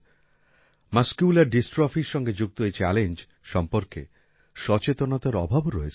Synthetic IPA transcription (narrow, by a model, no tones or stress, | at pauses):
maskjulaɾɖisʈɾɔfiɾʃɔŋɡed͡ʑuk̚t̪oet͡ɕɛlend͡ʑ | ʃɔmpoɾkḛ | ʃɔt͡ɕet̪onat̪aɾɔbʱabɾɔet͡ɕʰ